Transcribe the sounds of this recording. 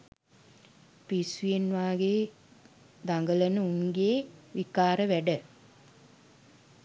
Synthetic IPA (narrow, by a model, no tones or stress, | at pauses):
pisujenʋaːɡeː | d̪aŋɡələnəuŋɡeːʋikaːɾəʋæɖə